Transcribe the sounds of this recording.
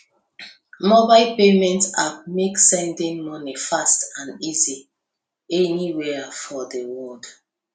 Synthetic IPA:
mobaɪlpemɛ̃ntameksɛ̃ndĩŋmɔnifastãnizi | ɛniwɛfɔðewɔd̥

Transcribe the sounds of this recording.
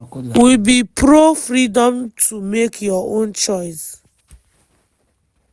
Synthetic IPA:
wibipʰɹofɹidɔ̃mtʰumekʰjɔõnt͡ʃɔɪs

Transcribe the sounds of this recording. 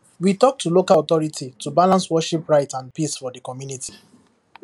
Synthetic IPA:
witɔk̚tulokaɔt̪ɔɹitʰitubalãnswɔʃipɹaɪtãnpisfɔdəkɔmjuniti̥

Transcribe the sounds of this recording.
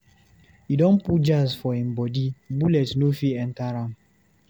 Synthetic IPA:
idɔ̃n̩pud͡ʒazfɔim̩bɔdibulɛtnofiɛn̩taɾam̩

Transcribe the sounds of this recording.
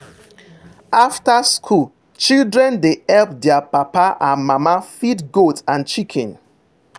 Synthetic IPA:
aftaskʰul | t͡ʃildɹɛ̃ndeɛlp̚dɛapapaʔãnmamafitɡotãnt͡ʃikʰɛ̃n

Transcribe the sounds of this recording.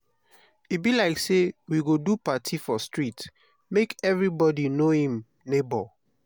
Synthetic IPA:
ibilaɪksewiɡodupatʰifɔstɹit | mekɛvɹibɔdinohĩm | nebɔ

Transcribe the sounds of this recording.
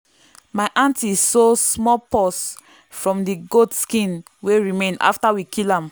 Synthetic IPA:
maɪʔãntisɔsmɔpɔs | fɹɔ̃mdiɡodskĩn | weɹimẽna̰ftawikilãm

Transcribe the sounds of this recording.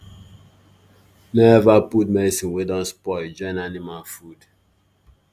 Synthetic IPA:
nɛɛvaput̚mɛdisĩnwedɔ̃nspɔɪd͡ʒɔ̃ɪ̃nanimalfud̥

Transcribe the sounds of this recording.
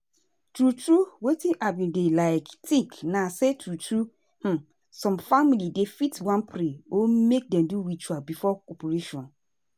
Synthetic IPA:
tʰɾutʰɾuwetʰĩʔabjĩdelaɪktʰĩŋknãsɛtʰɾutʰɾu | h̩ | sɔ̃mfamilidefitwãnpʰɾeomek̚dɛ̃mduɾit͡ʃualbifɔkʰɔpʰoɾeʃɔ̃n

